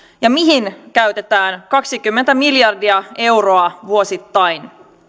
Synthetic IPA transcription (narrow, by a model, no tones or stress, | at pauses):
jɑmiɦinkæɥt̪e̞t̪æːnkɑksikymːent̪æmiljɑrdiɑe̞wro̞ɑʋuo̞sit̪ːɑjn